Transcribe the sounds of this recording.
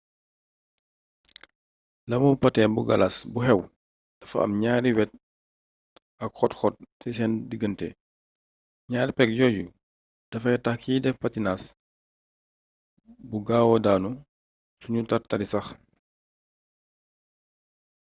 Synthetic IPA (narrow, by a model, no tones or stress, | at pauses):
lɐmupɐtɛːnbuɡɐlasbuhɛw | d̥ɐfɐ̰ɐ̰mɲaːɾiwɛt̚ | ɐkxɔtxɔt̚fis̬ɛndiɡəntɛ̰ | ɲaːɾipɛk̚jɔːju | d̥ɐfɐɛtɐxkidɛfpɐtinas | buɡaːwɔdaːnu | suɲutɐrtɐlisɐx